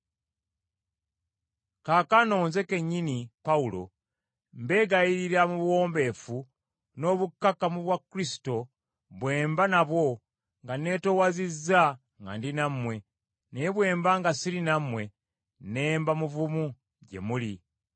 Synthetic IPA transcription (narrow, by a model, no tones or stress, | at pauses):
kaːkano̞ːnze̞ke̞ɲːinipaulo̞̰ | mbe̞ːɡajiɾiɾamuβwo̞ːmbe̞fu | no̞βukːakamuβwakɾisi̥to̞ | βwe̞ːmbanaβwo̞ | ŋɡane̞towazizːa | ŋɡa̰ndinamwe̞ | neβwe̞ːmbaŋɡasilinamwe̞ | ne̞ːmbamuvumu | ɟḛmuli